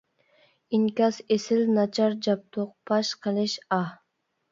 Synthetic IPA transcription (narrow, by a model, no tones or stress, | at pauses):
inkʲɑsesɪlnɑt͡ʃʰɑɾd͡ʒɑp̚t̪ʰoq̚pʰɑʃqʰaleʃɑ